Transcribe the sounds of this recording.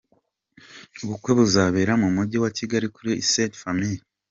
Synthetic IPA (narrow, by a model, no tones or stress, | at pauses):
uβukwe̞βuzaβe̞ːɾamumuɟiwaciɡaɾikuɾiisetfamii